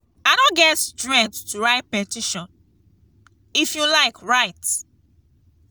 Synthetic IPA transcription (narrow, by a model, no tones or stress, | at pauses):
aɪdõnɡɛtstɹɛ̃k̚ttuɹaɪt̚pɛtiʃɔ̃n | ifjulaɪkɹaɪt